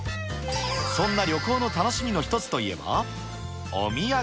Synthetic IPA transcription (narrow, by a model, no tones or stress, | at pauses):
sõ̞nːaɾʲjo̞ko̞ːno̞t̪ano̞ɕimʲino̞çi̥t̪o̞t͡sɨ̥t̪o̞ie̞̰ba̰ | o̰mʲija